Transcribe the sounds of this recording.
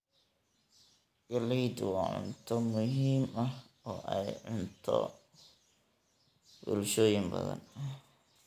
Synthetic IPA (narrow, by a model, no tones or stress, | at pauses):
ɡɐliːd̪wɑːʕʊ̰nt̪ʰɔmʊɦiːmɐh | ɔːʔɛjʕʊnt̪ʰɔ̰ | bʊlʃoːjɪŋbɐ̰ðɐ̰nɐ